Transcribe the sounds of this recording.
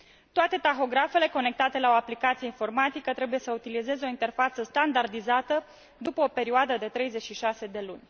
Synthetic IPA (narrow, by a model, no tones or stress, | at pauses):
t̪oat̪e̞t̪axo̞ɡɾafe̞le̞ko̞ne̞k̚t̪at̪e̞lao̞aplikat̪sije̞info̞rmat̪ikət̪ɾe̞buje̞səut̪ilize̞zeo̞int̪e̞rfat̪səst̪and̪ard̪izat̪ə | d̪upəo̞pe̞ɾioad̪əd̪e̞t̪ɾe̞jze̞t͡ʃʃiʃase̞d̪e̞lunʲ